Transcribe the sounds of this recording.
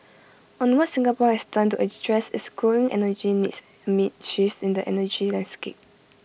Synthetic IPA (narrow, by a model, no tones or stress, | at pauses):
ɔ̃nwɔtsɪ̃ŋɡapɔhɛsdãntuʔədɹɛsɪskʰɔɹĩŋʔɛ̰nəd͡ʒinits | əmit̚ʃifsĩndəʔɛ̰nəd͡ʒilãndskḛp̚